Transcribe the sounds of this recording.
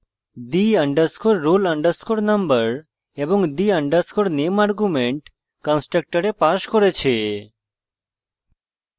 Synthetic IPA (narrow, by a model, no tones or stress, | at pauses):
d̪iəɳɖəɾskoɾːoləɳɖəɾskoɾnəmbəɾ | eboŋd̪iəɳɖəɾskoɾnemaɾɡumeɳʈ | kɔnsʈɾək̚ʈəɾepaʃkoɾet͡ɕʰe